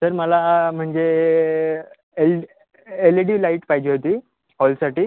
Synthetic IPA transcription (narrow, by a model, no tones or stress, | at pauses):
səɾməlam̤əɳd͡ze | el | eleʈiʋlaiʈpajd͡ʑiːɦot̪iː | ɦɔlsaʈiː